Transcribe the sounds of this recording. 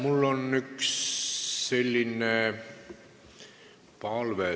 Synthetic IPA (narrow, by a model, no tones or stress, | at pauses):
mulːonyksː | e̞lʲːine | pɑlʋe